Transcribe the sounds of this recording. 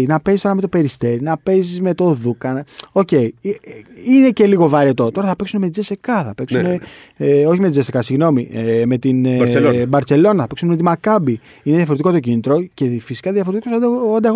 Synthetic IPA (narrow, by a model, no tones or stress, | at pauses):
inɐpe̞ist̪oɐme̞t̪ope̞ɾist̪e̞ɾinɐpe̞zizme̞t̪o̞ðukɐno̞ce̞i | ine̞ce̞liɣo̞vɐɾet̪o̞t̪o̞ɾɐθɐpeksuneme̞t̪d͡zese̞kɐθɐpeksune | o̞çimet̪id͡zese̞kɐsiɣno̞mieme̞t̪inbɐɾtse̞lo̞nɐθɐpeksuneme̞t̪imɐkɐbi | ineðjɐfo̞ɾet̪ikot̪o̞cinit̪ɾo̞ce̞fisi̥kɐðjɐfo̞ɾet̪ikosd̪ɐand̪ɐɣ